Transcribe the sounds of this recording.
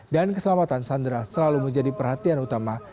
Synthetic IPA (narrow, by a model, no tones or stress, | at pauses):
dankəsəlamat̪ansandɾasəlaluməɲd͡ʒadipərɦhat̪ianut̪ama